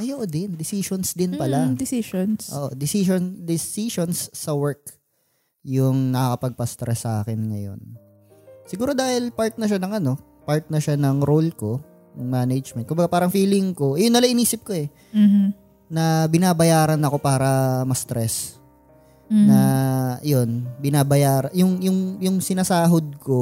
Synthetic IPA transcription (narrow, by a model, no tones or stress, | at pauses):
ʔɐjoʔd̪ɪnd̪ɪsiʃonsd̪ɪnpɐlad̪ɪsiʃonsʔoːʔod̪ɪsiʃond̪ɪsiʃonsːɐwɛɹk̚ | jʊŋnɐkɐkɐpɐɡ̚pɐst̪ɾɛsːɐʔa̰ːkɪnŋɐ̰jo̞̰n | sɪɡuːɾod̪aːhɪlpaɹt̪̚nɐʃ̬anɐŋɐno̞ | paɹt̪̚nɐʃanɐŋɾolko̞ | nʊŋmaːnɐd͡ʒmɛn̚kʊmbɐɡapaːɾɐŋfiːlɪŋko̞ʔɛjʊnːɐlaʔɪniːsɪp̚koɛ | nɐbɪnaːbɐjaːɾɐnɐko̞paːɾɐmɐst̪ɾɛs | nɐjo̞nbɪnaːbɐjaːɾɐjʊŋjʊŋjʊŋsɪnaːsaːɦod̪̚ko̞